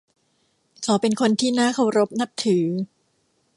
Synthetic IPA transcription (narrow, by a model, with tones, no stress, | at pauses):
kʰɔː˩˦pe˧nkʰo˧nt̪ʰiː˥˩naː˥˩kʰa˥˩wɾo˦˥p̚na˦˥p̚t̪ʰɯː˩˦